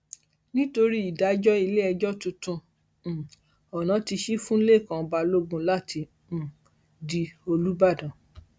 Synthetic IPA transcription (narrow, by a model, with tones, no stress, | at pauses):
nĩ˦to˧ɾi˦i˨da˨˦d͡ʒɔ˦i˧le˦ɛ˧d͡ʒɔ˦tũ˧tũ˧˨ | ɔ˨nã˨˦ti˧ʃi˦fũ˦le˦˨kã˨˧ba˧lo˦ɡũ˧la˦˨tʰĩ˧˨ | di˧o˧lu˦ba˦˨dã˨